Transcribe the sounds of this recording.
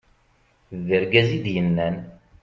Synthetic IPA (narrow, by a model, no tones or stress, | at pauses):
ðəɾɡæzid̪jənːæn